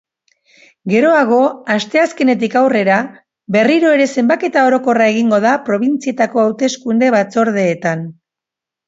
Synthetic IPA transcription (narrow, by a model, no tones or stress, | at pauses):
ɡe̞ɾo̞aɣ̞o̞ast̪e̞aske̞ne̞t̪̬ikawre̞ɾa | be̞riɾo̞e̞ɾe̞se̞mbake̞t̪ao̞ɾo̞ko̞rae̞ɣiŋɡo̞ðapɾo̞βint͡sie̞t̪ako̞awt̪e̞skund̪e̞βat͡so̞ɾðe̞ːt̪an